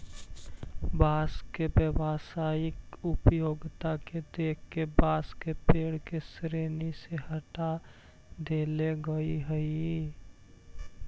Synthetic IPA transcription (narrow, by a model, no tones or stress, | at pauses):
baskebjəbasaɪkupjoɡt̪aked̪ekʰkebaːskepeɽkesɾeniseɦəʈa | d̪eleɡəiɦəii